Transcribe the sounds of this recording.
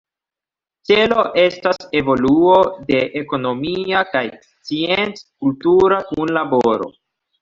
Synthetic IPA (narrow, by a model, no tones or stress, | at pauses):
t͡se̞lo̞ʔe̞stase̞vo̞luo̞de̞ʔeko̞no̞miakajst͡sient͡skultuɾakunlabo̞ɾo̞̰